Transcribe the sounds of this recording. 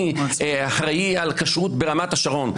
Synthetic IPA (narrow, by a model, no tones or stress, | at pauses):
aħʁajialkaʃʁutbeʁamataʃaʁo̞n